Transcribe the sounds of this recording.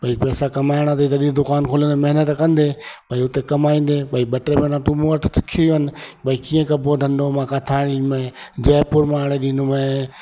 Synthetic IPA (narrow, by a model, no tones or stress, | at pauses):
ɓɐipɛːsakɐmaːɪɽ̃at̪̬ɐiːt̪ɐɗĩd̪ʊkaːnkʰoːlə̃nd̪omɐɦɪnət̪kɐ̃nd̪eɓɐiʊt̪ekɐmaːĩːn̆d̪eɓɐiɓɐʈɾepẽːnãʈumuʋəʈʰsɪ̥kʰijoɦənɪ̆ɓɐikiːẽkɐbʱoɖʱɐ̃nd̪omãːkʰat̪ʰaːɪɽ̃imẽd͡ʑɛːpʊɾmaːɽ̃eɗĩːnʊmẽ